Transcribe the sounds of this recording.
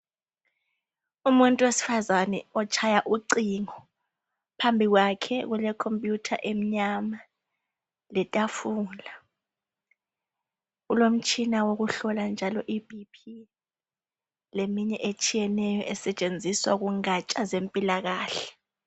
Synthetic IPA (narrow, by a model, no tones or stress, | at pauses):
umuntʼuwesi̥fazanɛ̰ɔt͡ʃʰajaʔuǀiŋɔ | pʰambʱiɣwakʰɛɣulɛkʰompʼjutʰa̰ʔem̩ɲama | lɛtʼafuːla | ɣulom̩t͡ʃʼʰinawoɣuɬɔland͡ʒʱalɔʔibʱipʰi | lemiɲɛʔet͡ʃʼijɛnɛjɔʔɛsɛt͡ʃʼend͡zʱiswa̰ɣuŋat͡ʃʼazempʼilaɣaːɬɛ